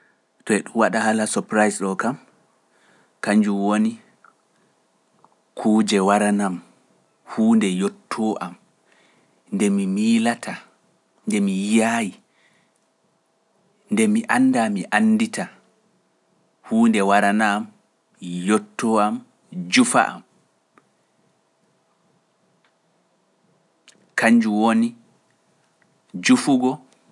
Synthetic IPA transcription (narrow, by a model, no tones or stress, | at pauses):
tɔɛɗuwaɗahalasɔpɾajsɗɔkam | kaɲd͡ʒuwoni | kʰuːd͡ʒɛwaɾanam | huːndɛjɔtʰːɔʔam | ndɛmimilatʰa | ndɛmijaji | ndɛmiʔanːdamiʔanːdita | huːndɛwaɾanam | jotːɔam | d͡ʒufa̰ʔa̰m | kaɲd͡ʒuwoni | d͡ʒufuɡɔ